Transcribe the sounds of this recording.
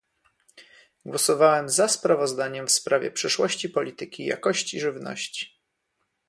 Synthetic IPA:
ɡwɔsɔvawɛmzaspɾavɔzd̪aɲɛmfspɾavʲjɛ̰pʂɛʂwɔɕt͡ɕipɔlʲit̪ɘkʲija̰kɔɕt͡ɕiʐɘvnɔ̰ɕt͡ɕi̥

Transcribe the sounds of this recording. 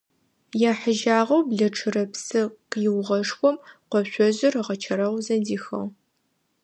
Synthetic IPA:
jaːħəʒaːʁɐwbɮɐʈ͡ʂʰɨɾɐpsɨqjɪwʁɐʂxʷɔmqʷɔɕʷɔʑɪrɨʁɐt͡ʃʰɐɾɐʁzɐdiːxɐ̰ʁ

